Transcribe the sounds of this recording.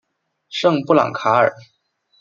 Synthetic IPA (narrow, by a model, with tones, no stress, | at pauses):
ʂɤ˥˧ŋpu˥˩lɑ̰˨˩ŋkʰa˧˥ə̰˞˨˩˦